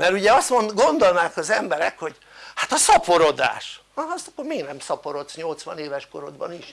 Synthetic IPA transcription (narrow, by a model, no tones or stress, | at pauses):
mɛɾuɟɛɒst̪onɡo̞nd̪o̞lnaːkɒzɛmbɛɾɛkho̞ɟ | hat̪ɒsɒpo̞ɾod̪a̰ːʃ | st̪ɒkːormeːɡnɛmsɒpoɾo̞t̪sɲo̞lt̪sʋɒneːvɛʃko̞ɾod̪bɒ̰niʃ